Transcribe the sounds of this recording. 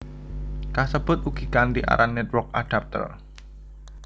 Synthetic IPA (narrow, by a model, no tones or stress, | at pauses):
kasəb̥ʊ̤t̪̚uɡ̥ikand̪iʔa̰ɾʔanːɛt̪̚wɔk̚aɖ̥a̤p̚t̪ə̰r